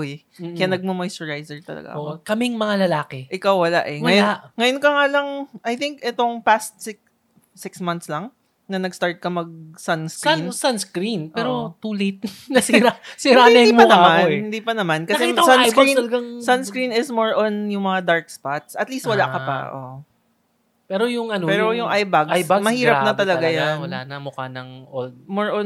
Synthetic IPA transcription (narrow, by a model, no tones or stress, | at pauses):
ʔoj | kɐjanɐɡ̚mɐmojsɔɹɹajsɛɹt̪ɐ̰lɐ̰ɡa̰ʔoʔkɐmɪŋmɐŋalɐlaːkɛʔɪkawwɐla̰ʔɛŋɐjoaŋɐjonkɐŋaːlɐŋʔɐjθɪŋkʔɛt̪oŋpast̪̚sɪk | sɪksmɐ̃nt̪slɐŋ | nɐnɐɡst̪aɹt̪̚kɐmɐɡ̚sɐnskɾnsɐnskɾinpʔɛːɾot̪ulejt̪̚nɐsiɾasiɾaɪimpɐnɐmmanhɪnd̪iːpɐnɐmankɐɐsɛisɐkɾinlɐɡaŋsɐnskɹinɪsmoɹʔonjʊŋmɐŋad̪aɹk̚spat̪̚sʔɐt̪list̪wɐlaʔkɐpɐ̰ʔo̰ | pɛːɾojʊŋʔɐnopɛːɾojʊŋʔajbaɡajbaɡmɐhiːɾɐp̚nɐt̪ɐlɐɡajanwɐlanɐmʊkanɐŋʔold̪̚moɹʔon